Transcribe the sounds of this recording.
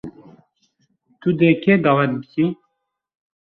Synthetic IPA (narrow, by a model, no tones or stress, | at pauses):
t̪ud̪ekʰed̪ɑːwɛt̪̚bɨkʰi